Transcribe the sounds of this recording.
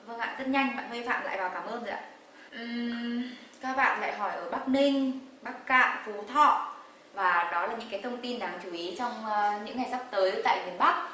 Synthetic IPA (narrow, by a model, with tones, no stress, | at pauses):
və˧ŋla̰ː˧˨zə˦˥t̚ɲa˧jŋ̟ɓa̰ː˧˨nwi˧fa̰ː˧˨mla̰ː˧˨jvaː˨˩wkaː˧˩mʔəː˧nzə̰˨a˧˨ | ʔɨ˨˩ | kaː˦˥k̚ɓa̰ː˧˨nla̰ː˧˨jɦɔ˧˩jʔəː˧˩ɓaː˦˥k̚nï˧ŋ̟ɓaː˦˥k̚ka̰ː˧˨ʔfu˨˦t̪ʰɔ̰˧˨ | vaː˨˩ɗɔ˨˦laː˨˩ɲɨ̰˧˥kaː˨˦jt̪ʰə˧wŋ͡mt̪i˧nɗaː˨˩ŋt͡ɕu˧˩ʔi˨˦t͡ɕɔ˧wŋ͡mɲɨ̰˧˥ŋːa˨˩jza˦˥p̚t̪əː˨˦jt̪a̰ː˧˨jmi˨˩ənɓa˦˥k̚